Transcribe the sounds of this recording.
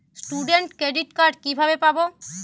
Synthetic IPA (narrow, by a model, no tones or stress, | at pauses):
sʈuɖeɳʈkɾeɖiʈkaɾɖkibʱabepabo